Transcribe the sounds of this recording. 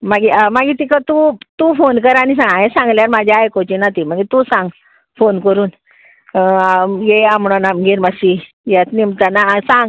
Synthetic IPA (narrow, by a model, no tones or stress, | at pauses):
maɡimaɡit̪ikət̪ut̪ufonkəɾanis̬ãŋɡajẽsãŋɡljaɾmad͡ʑʱaajkot͡ɕinat̪im̤əŋɡit̪ũsãŋɡ | fonkəɾuːn | jeamɳɔnamɡeɾmasi | jat̪nimt̪anasãŋɡ